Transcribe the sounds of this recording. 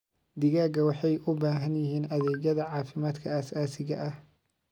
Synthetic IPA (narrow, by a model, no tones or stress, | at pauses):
d̪ɪɣaːɡɐwɑħɑjʔʊbaːɦɐnjɪɦiːnɐðɛːd͡ʒɐðɐʕɑːfɪmaːd̪kʰɐɐsaːsɪɣɐʔɐh